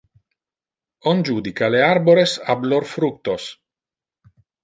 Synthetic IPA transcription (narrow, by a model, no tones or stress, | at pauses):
ond͡ʒuːd̪ikaleaɾboɾesablorfɾuk̚t̪os